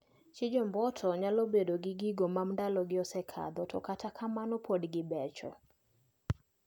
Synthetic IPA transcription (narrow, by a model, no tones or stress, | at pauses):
t͡ʃɪd͡ʒɔmbɔtʰɔɲalobedoɡɪɡɪɡomamndalɔɡɪɔsɛkʰa̰d̪ɔtɔ̰katakʰamanɔpʰɔdɡɪbɛt͡ʃɔ̰